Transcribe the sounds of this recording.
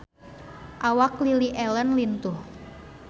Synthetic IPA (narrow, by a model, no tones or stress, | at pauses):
ʔawakliliʔɛlənlint̪uh